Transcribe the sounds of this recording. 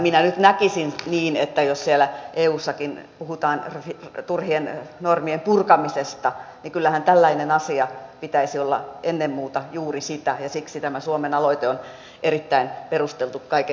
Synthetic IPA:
minænyt̪nækisinniːnet̪ːæjossielæʔeːuːsːɑkinpuhut̪ɑːnrit̪urhiennormiempurkɑmisest̪ɑnikylːæhænt̪ælːæinenɑsiɑpit̪æisiolːɑ̰ʔenːemmuːt̪ɑjuːrisit̪æjɑsiksit̪æmæsuomenɑloit̪eon | eɾit̪ːæinperust̪elt̪ukkɑike

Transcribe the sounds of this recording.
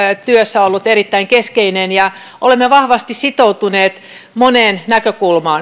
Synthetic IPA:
t̪yøsːæolːut̪erit̪ːæiŋkeskeinenjɑ | ʔolemːeʋɑhʋɑst̪issit̪out̪uneːt̪ | moneːnnækøkulmɑːn

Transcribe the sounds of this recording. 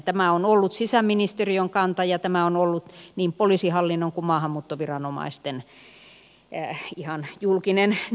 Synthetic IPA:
t̪æmæonolːut̪sisæmminist̪erioŋkɑnt̪ɑjɑt̪æmæonolːut̪niːmpolisihɑlːinːoŋkumɑːhɑmːuːt̪ːoʋirɑnomɑ̰ist̪en | ihɑnjulkinen

